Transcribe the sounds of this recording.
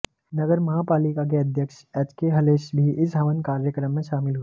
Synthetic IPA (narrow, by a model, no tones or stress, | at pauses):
nɐɡəɾmɐɦapaːlikak̬eɐd̪ʱjəkʃ | ɛːt͡ʃkeɦɐleːʃbʱiʔɪsɦɐʋənkaːɾjəkɾəmːẽʃaːmɪlɦu